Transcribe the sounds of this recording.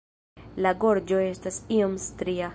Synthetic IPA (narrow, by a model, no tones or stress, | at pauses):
laɡo̞ɾd͡ʒo̞e̞stasiomstɾia